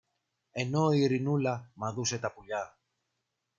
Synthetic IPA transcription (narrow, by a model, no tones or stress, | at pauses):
e̞no̞iɾinulɐmɐðuse̞t̪ɐpuʎɐ